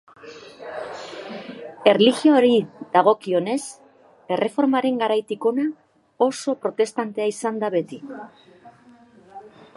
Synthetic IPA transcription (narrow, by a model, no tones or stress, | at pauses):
e̞rliɣjoːɾid̪aɣ̞o̞kio̞ne̞s | e̞re̞fo̞ɾmaɾe̞ŋɡaɾajt̪iko̞na | o̞so̞pɾo̞t̪e̞st̪ant̪e̞aisand̪aβe̞t̪i